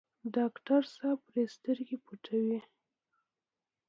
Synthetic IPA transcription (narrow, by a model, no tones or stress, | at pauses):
ɖɑkʈaɾsapɾest̪əɾɡepuʈʰawi